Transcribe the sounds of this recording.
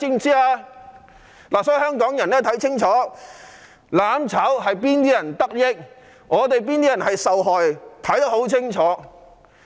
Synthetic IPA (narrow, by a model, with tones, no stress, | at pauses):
ɪ˧ŋsiː˥aː˧ | laː˨˩sɔ˨˥˨hɦœː˥ŋkɔː˨˥ŋjɐ˨˩nɛː˥t̪ʰɐ˨˥jt͡sʰɪ˥ŋt͡ʃʰɔː˨˥ | laː˨˧˥mt͡sʰɐː˨˥wɦɐ˨jp̬iː˥nt̪iː˥jɐ˨˩nt̪ɐ˥k̚jɪ˥k̚ | ŋɔː˨˧t̪̬e˨jp̬iː˥nt̪iː˥ɐ˨˩nhɐ˨jsɐ˨wɦɔː˨jt̪ʰɐ˨˥jt̪ɐ˥ho˨˥wt͡sʰɪ˥ŋt͡ʃʰɔː˨˥